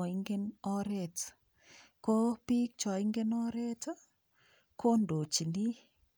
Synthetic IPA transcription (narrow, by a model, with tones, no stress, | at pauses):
ɔ˨iŋɡe˦nɔ˦ɾɛ˨t | ko˦pi˦k̚t͡ʃɔ˨i˦ŋɡenɔ˦ɾe˦t | ko˦ndo˨t͡ʃi˨ni˦